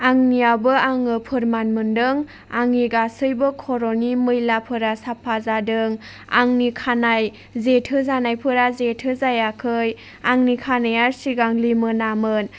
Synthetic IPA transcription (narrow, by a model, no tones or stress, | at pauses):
aŋnijawbɯaŋɯpʰɯɾmanmɯndɯŋ | aŋiɡasɯjbɯkʰɔɾonimɯjlapʰɯɾasapʰazadɯŋ | a̰ŋnikʰanaj | zetʰɯzanajpʰɯɾazetʰɯzajakʰɯj | aŋnikʰanajaɾsiɡaŋlimɯnamɯn